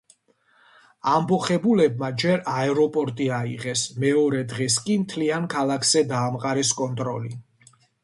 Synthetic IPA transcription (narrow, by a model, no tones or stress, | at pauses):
ambɔχɛbulɛbmad͡ʒɛɾaɛɾɔpʼɔɾt̪ʼiaiʁɛsmɛɔɾɛd̪ʁɛskʼimt̪ʰliankʰalˠakʰz̥ɛd̪aːmqʼaɾɛskʼɔnt̪ʼɾɔli